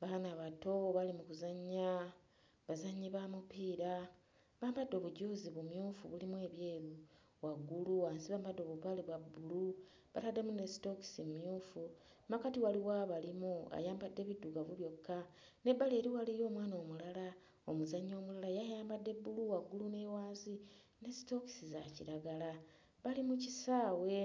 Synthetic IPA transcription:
βanaβato̞βalimukuzaɲːa | βazaɲːiβamupiːɾa | βaːmbadːo̞βuɟoːziβumjuːfuβulimwe̞ːβjeːβu | waɡuluaːnsiβaːmbadːo̞βuβaliβwabːulu | βatadːe̞mune̞stoki̥simmjuːfu | makatiwaliwaβalimua̰jaːmbadːe̞βiduɡaβuβjo̞kʰːa | ne̞bːaleːɾiwalijo̞ːmwaːno̞ːmulala | omuzaɲo̞ːmulalajajaːmbadːe̞buluwaɡːulune̞waːnzine̞sito̞ki̥sizacḭɾaɡala | βalimucisaːwe̞

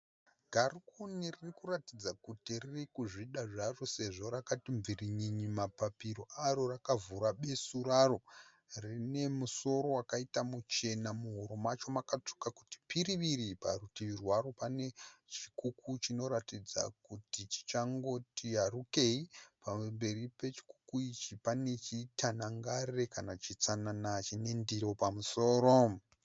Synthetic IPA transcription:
ɡʱarukuniririkuratid͡zakutiririkuʐiɗaʐarose̞ʐo̞ɾakatiɱviriɲiɲimapapiɾo̞ʔaɾo̞rakavuɾaɓe̞suɾaro̞ | rine̞muso̞ɾo̞wakaitamut͡ʃe̞namuɦoɾo̞mat͡ʃo̞makat͡ʂu̥kaku̥ti̥piɾiʋiɾipa̰rutiʋirwaɾo̞pane̞t͡ʃikukut͡ʃino̞ɾatid͡za̰kutit͡ʃi̥t͡ʃaŋɡo̞tiɦaruke̞ipambe̞ripe̞t͡ʃi̥ku̥kuit͡ʃipane̞t͡ʃitanaŋɡare̞kanat͡ʃit͡sananat͡ʃine̞ndiɾo̞pamuso̞ːɾo̞

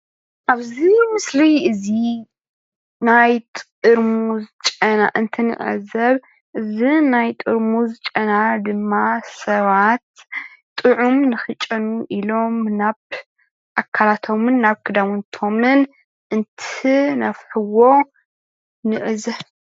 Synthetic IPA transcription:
ʔaβzimɨslijɨzi | najt̪ʼ | ɨɾmuzɨt͡ʃʼɐnaʔɨnt̪ʰɨnɨ̰ʔʼɐ̰zɐβ | ʔɨzinajt̪ʼɨɾmuzɨt͡ʃʼɐnad̪ɨmːasɐβat̪t̪ʼɨʕumnɨxɨt͡ʃʼɐnuʔilo̞mnaβ | ʔakʰːalat̪ʰo̞mɨnːaβkʰɨd̪amɨnt̪ʰo̞mɨn | ʔɨnt̪ʰinɐfħɨwo̞ | nɨʔɨzɐ

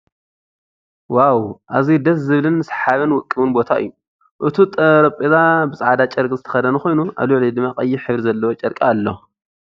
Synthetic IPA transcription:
wawʔazid̪ɐs̬zɨβlɨnːɨsħaβɨnwʊkʼːɨβɨnbo̞t̪ʰaʔɨ̰jːu | ʔɨt̪ʰut̪ʼɐɾɐpʼezabɨsʼʕad̪at͡ʃʼɐɾkʼizɨt̪ʰɐ̥xɐd̪ɐnuxo̞jnuʔa̰βluʕlid̪ɨmːakʼɐjːɪħɨβɾizɐlːɐwot͡ʃʼɐɾkʼaːlːo

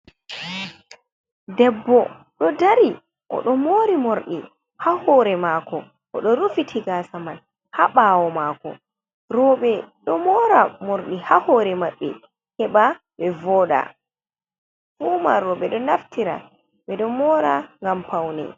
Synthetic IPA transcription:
dɛbːɔ | ɗɔdaɾi | ʔɔ̰ɗɔmoːɾimoɾɗi | hahɔɾɛmaːkɔ | ʔɔɗɔɾufitʰiɡasaman | haɓaːwɔmaːkɔ̰ | ɾɔɓɛɗɔmɔːɾamoɾɗihahɔɾɛmaɓːɛ̰ | hɛɓa | ɓɛvɔɗa̰ | fuːmaɾɔɓɛɗɔnaftiɾa̰ | ɓɛɗɔmɔːɾaŋɡampawnɛ̰

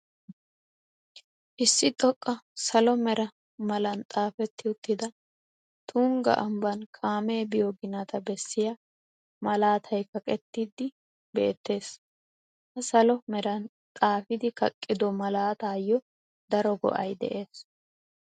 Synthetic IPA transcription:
ʔɪsːɪt̪ʼɔkʼːɐsɐlɔmɛɾɐ | mɐlɐnt̪ʼaːfɛt̪ːɪʊt̪ːɪd̪ɐ | t̪ʰuːŋɡɐ̰ʔɐmbɐnkʰaːmeːbɪjɔɡɪnɐt̪ɐbɛsːɪja | mɐlaːt̪ʰɐjkɐkʼɛt̪ːid̪ːɪ | be̞̰ːt̪ːe̞ːs | hɐsɐlɔmɛɾɐn | t̪ʼaːfɪd̪ɪkɐkʼːɪd̪ɔmɐlaːt̪aːjːɔ | d̪ɐɾɔɡɔ̰ʔɐjd̪ɛ̰ʔe̞ːs

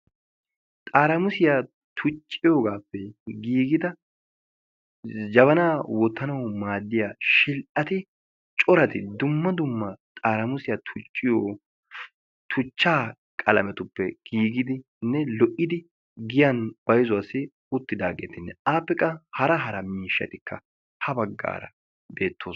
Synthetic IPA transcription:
t̪ʼaːɾɐmʊsɪjaː | t̪ʰʊt͡ʃʼːɪjoːɡaːpːɛɡiːɡɪd̪ɐ | d͡ʒɐβɐnaːwɔt̪ːɐnɐwmaːd̪ːɪjaːʃɪlʔɐt̪ɪ | t͡ʃʼɔɾɐt̪ɪd̪ʊmːɐd̪ʊmːɐt̪ʼaːɾɐmʊsɪjat̪ʰʊt͡ʃʼːɪjoː | t̪ʰʊt͡ʃːaː | kʼɐlɐmɛt̪ʊpːɛɡ̥iːɡɪd̪ɪ | nːɛlɔʔɪd̪ɪ | ɡɪjɐnb̥ɐjzʊɐsɪ | ʊt̪ːɪd̪aːɡḛːt̪ɪnːɛʔaːpːɛkːɐhɐɾɐɦɐɾɐmiːʃːɐ̰t̪ɪkːɐ | hɐbɐɡːa̰ːɾɐ̰ | beːt̪ːoːs

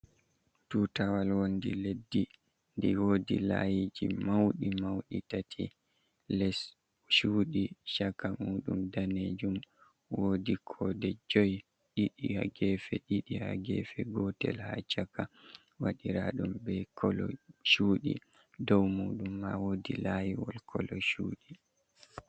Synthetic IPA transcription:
tutawalwondiledːi | ndiwodilajid͡ʒimawɗimawɗitatʰi | lɛs | ʃuːɗiʃakːamuːɗumdaned͡ʒum | wodikʰɔdɛd͡ʒɔj | ɗiɗihaɡɛːfɛɗiɗiha̰ɡɛfɛɡɔtɛ̰lhat͡ʃaka | waɗiɾaɗumbɛkʰɔlɔʃuːɗḭ | dɔwmuːɗumːawodilajiwɔlkʰɔlɔʃuːɗi

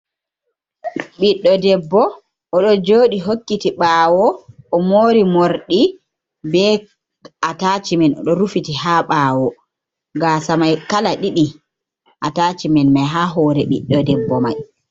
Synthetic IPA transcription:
ɓiɗːɔdɛbːɔ | ɔɗɔd͡ʒoːɗiɦokːitiɓaːwɔʔːmoːɾimoɾɗi | bɛ | ataːt͡ʃimɛnɔ̰ɗɔɾufitihaːɓaːwɔ | ɡasamajkalaɗiɗi | ʔataːt͡ʃimɛnmajɦaːɦɔːɾɛɓḭɗːɔdɛbːɔmaj

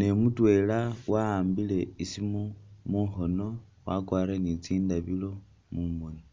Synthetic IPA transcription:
ne̞mutwe̞lawaːmbile̞isimomuxo̞no̞ | wakwaːɾenit͡siːndaβilo̞ | mumoni

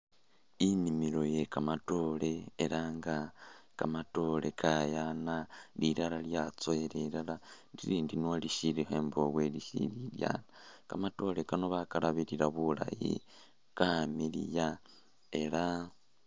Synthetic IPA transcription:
imimiɾo̞je̞kamato̞leːɾaːŋɡakamato̞le̞kʰajanaliɾaɾaljat͡soeɾeɾala | ɾiɾiːndinwoliʃiɾihe̞ːmboβwe̞liʃḭɾilja̰ːnakamato̞le̞kano̞βakaɾaβiɾiɾaβula̰jḭ | kamiɾḭja | e̞ɾa

